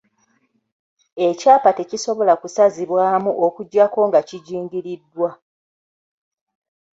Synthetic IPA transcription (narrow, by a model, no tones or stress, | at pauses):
e̞caːpate̞ciso̞βo̞lakusaziβwaːmuʔokuɟːako̞ŋɡaciɟiːŋɡiɾidːwa